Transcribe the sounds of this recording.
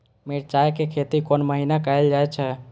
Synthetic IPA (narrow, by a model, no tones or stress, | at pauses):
meɾt͡ʃajkekʰet̪ikonməɦinakajld͡ʒajt͡ʃʰɛ